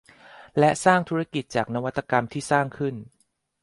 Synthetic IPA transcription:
lɛ˦˥ʔsaː˥˩ŋt̪ʰuː˦˥ɾa˦˥ki˨˩t̪̚t͡ɕaː˨˩k̚na˦˥wa˦˥t̪ʰːa˧ka˧mt̪ʰiː˥˩saː˥˩ŋkʰɯ˥˩n

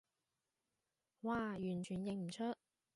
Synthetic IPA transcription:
waː˨jyː˨˩nt͡ʃʰyː˨˩njɪ˨˧ŋm̩˨˩t͡ʃʰɵ˥t̚

